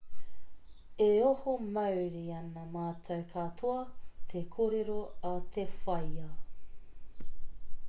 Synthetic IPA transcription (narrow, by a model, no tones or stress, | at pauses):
eohomɐwɾiɐnɐmaːtʰɐwkʰatʰoɐtʰekʰoɾeɾoɐt̪ʰefɐjɐ